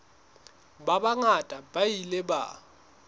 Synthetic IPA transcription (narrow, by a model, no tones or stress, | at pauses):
babaŋatʼabailɛba̰